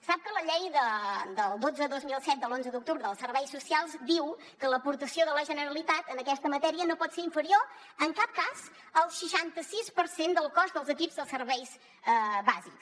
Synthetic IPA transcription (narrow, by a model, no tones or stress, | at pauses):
sap̚kələʎejðəd̪əlˠd̪ozəðozmilˠsɛt̪̚d̪əlˠonzəðuk̚t̪uβɾəðəlˠsərβɛjsusialˠzd̪iw | kələpuɾt̪əsioðələʒənəɾəlit̪at̪ənəkɛst̪əmət̪ɛɾiənopɔt̪seɾiɱfəɾio | əŋkap̚kaz | əlˠʃəʃant̪əsispəɾsend̪əlˠkɔzdðəlˠzəkibzðəlˠsəɾβɛjz | baziks